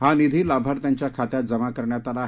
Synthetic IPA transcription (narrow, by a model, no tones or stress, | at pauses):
ɦanid̪ʱiːlabʱaɾt̪jaɲt͡ɕjakʰat̪jat̪̚d͡zəmakəɾɳjat̪ala